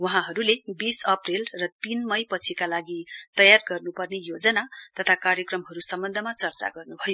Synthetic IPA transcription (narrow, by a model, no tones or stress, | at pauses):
wʌɦãɦʌɾulebisʌprilrʌt̪inmʌjpʌt͡sʰikalaɡit̪ʌjarɡʌrnupʌrnejod͡zʌnat̪ʌt̪ʰakaɾjʌkrʌmɦʌɾusʌmbʌnd̪ʱʌmat͡sʌrt͡sa̰ɡʌrnubʱʌjo